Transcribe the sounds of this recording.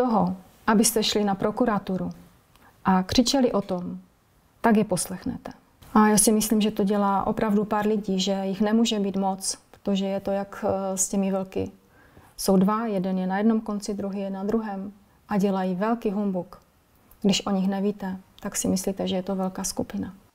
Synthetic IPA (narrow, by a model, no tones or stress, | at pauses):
t̪oɦo | ʔabɪst̪ɛʃlɪnapɾo̞kuɾat̪uɾu | ʔakr̝̥ɪt͡ʃɛlɪʔo̞t̪om | t̪aɡjɛposlɛxnɛ̰t̪ɛ | ʔajaːsɪmɪsliːmʒɛt̪o̞ɟɛlaːʔo̞pɾavdupaːɾlɪɟiːʒɛjɪxnɛmuːʒɛbiːt̪mo̞t͡spɾot̪oʒɛjɛt̪o̞jakscɛmɪvɛl̩kɪ̰ | so̞wdvajɛdɛnjɛnajɛdno̞mko̞nt͡sɪd̪ɾuɦijɛnad̪ɾuɦɛːm | ʔaɟɛlajivɛlkiɦumbuk | ɡdɪʃʔoɲɪxnɛviːt̪ɛt̪aksɪmɪsliːt̪ɛʒɛjɛt̪o̞vɛlkaːskupɪna